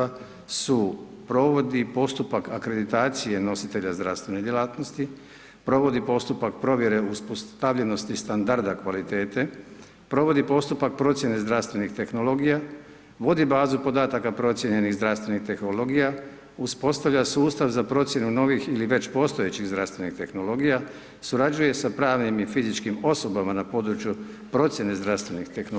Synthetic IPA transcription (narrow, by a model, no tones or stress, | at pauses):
a | su | pɾo̞ʋo̞d̪ipo̞st̪upakakɾe̞d̪it̪aːt̪sije̞no̞sit̪e̞ʎazd̪ɾaʋst̪ʋe̞ned̪jelaːt̪nost̪i | pɾo̞ʋo̞d̪ipo̞st̪upak̚pɾo̞ʋje̞ɾe̞uspost̪aʋʎe̞no̞st̪ist̪and̪aɾd̪akʋalit̪e̞ːt̪e | pɾo̞ʋo̞d̪ipo̞st̪upak̚pɾo̞t̪sje̞nezd̪ɾafst̪ʋe̞nixt̪e̞xno̞lo̞ɡija | ʋo̞d̪ibaːzupo̞d̪aːt̪akapɾo̞t̪sje̞ɲe̞niɣzd̪ɾaʋst̪ʋe̞nixt̪e̞xnolo̞ɡija | uspo̞st̪aʋʎasuːst̪aʋzapɾo̞t̪sʲje̞nuno̞ʋixiliʋe̞t͡ɕpo̞ːst̪oe̞t͡ɕiɣzd̪ɾaʋst̪ʋe̞nixt̪e̞xno̞lo̞ɡija | suɾad͡ʑuje̞sapɾaːʋnimifizit͡ʃkimo̞so̞bamanapo̞ːd̪ɾut͡ʃju | pɾo̞t̪sʲje̞ne̞zd̪ɾast̪ʋe̞nixt̪e̞xno